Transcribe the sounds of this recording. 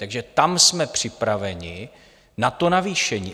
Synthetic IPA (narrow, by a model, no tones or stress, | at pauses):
t̪aɡʒɛt̪amsmɛpr̝̥ɪpɾavɛɲɪ | nat̪o̞naviːʃɛɲḭː